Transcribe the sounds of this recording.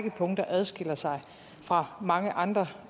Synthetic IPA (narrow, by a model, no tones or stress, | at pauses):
ɡ̥əpʰɔ̽ŋ̰d̥ɐʔæð̞ˠsɡ̥e̝l̰ɐsɑ̈ɪ | fʁɑ̈mɑ̈ŋəʔɑ̈nd̥ʁɐ